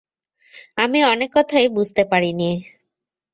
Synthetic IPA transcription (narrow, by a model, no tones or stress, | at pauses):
amiɔnekːɔt̪ʰaebud͡ʑʱt̪epaɽinie